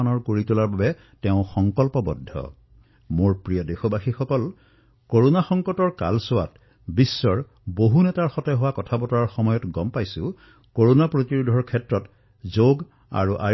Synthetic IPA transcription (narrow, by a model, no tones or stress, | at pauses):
anɔɹkoɹitulaɹbabɛ | tɛʊ̃xɔŋkɔlpɔbɔ̰dʱːɔ̰ | moɹpɹijɔdexɔbaxixɔkɔl | koɹonaxɔŋkɔtɔɹka̰lsʊwa̰t | bisːɔɹ | boɦunɛtaɹxɔtɛɦʊwakɔtʰabɔtɔɹaɹxɔmɔjɔtɡɔmpajsʊ̃ | koɹonapɹotiɹudʱɔɹkʰɛtɹɔt | zoɡ | a̰ɹuʔa̰